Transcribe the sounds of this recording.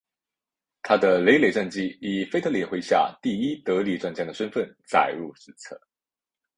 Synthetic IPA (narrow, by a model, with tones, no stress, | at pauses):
t̪ʰa˥d̪ə˨le˧˥ɪle˨˩ʈ͡ʂə˥˧ŋt͡ɕi˥˩i˨˩fe˥ɪt̪ʰɤ˧˥li˨˩xwe˧˥ɪɕja̰˥˧t̪i˥˩i˥t̪ɤ˧˥li˨˩ʈ͡ʂwa˥˩nt͡ɕja˥d̪ə˩ʂə˥nfə˥˩n | t͡sa̰˨˩ɪɻu˥˧˩ʂɻ̩˥t͡sʰɤ̰˥˩